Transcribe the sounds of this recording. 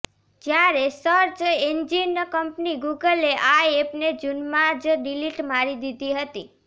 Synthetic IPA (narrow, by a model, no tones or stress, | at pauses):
d͡ʒjaɾesəɾt͡ʃend͡ʒinkəmpniɡuɡəleʔaepned͡ʒunmad͡ʒɖiliʈmaɾid̪id̪iɦət̪i